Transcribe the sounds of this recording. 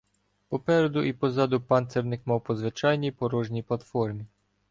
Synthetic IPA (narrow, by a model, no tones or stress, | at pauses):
pɔpɛɾed̪ʊʔipɔzɑd̪ʊpɑnt̪sɛɾnɪkmɑwpɔzʋɪt͡ʃɑjnʲijpɔɾɔʒnʲijplˠɐt̪fɔrmʲi